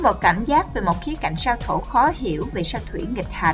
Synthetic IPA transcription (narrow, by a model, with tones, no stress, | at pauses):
mo˨˩t̚kaː˧˩mzaː˦˥k̚ve˨˩mo˨˩t̚xi˨˦əka˧˩jŋ̟saː˧wt̪ʰo̰˧˩xɔ˨˦hi˧˩˨əwve˨˩saː˧w̚t̪ʰwḭ˧˩˥ŋï˨˩k̟̚haː˨˩